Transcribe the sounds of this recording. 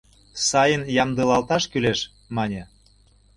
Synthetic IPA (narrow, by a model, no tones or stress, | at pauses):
sɑjənjɑmd̪əlɑlt̪ɑʃkyleʃ | mɑnʲe